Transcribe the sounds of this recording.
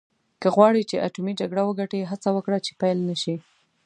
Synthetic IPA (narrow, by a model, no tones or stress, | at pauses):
kəɣwɑɽit͡ʃeʔa̰ʈumid͡ʒaɡɽawəɡaʈeɦat͡sawəkɽat͡ʃe̥pajlnəʃi